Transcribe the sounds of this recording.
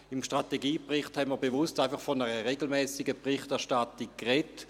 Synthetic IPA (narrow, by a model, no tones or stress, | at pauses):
ɪmʃtʁateɡiːpʁɪχthɛnmiəɐbevʊstaɪfɑχfɔnəʁəʁeɡl̩mɛːsɪɡəbʁɪχtɛɐʃtatikkʁet